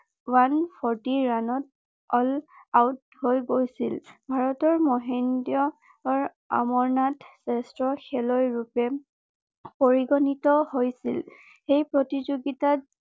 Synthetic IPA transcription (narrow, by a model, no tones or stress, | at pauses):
wanpʰɔɹtiɹanɔt̚ | ɔlawt̚ | hojɡojsilbʱaɹɔtɔɹmɔɦendiɔ | ɔɹ | a̰mɔɹnatsɛstɹɔxɛlɔjɹupɛ | poɹiɡɔnitɔhojsil | xejpɹotizoɡitat̚